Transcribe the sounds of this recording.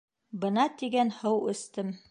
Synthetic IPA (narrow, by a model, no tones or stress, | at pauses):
bɤ̆nɑt̪iɡænhɤwɵ̆st̪ɘm